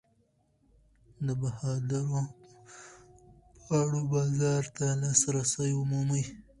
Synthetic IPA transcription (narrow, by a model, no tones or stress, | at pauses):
d̪əbahɑd̪aɾo | pɑɽobɑːzɑɾt̪alɑsɾasajʊmuməj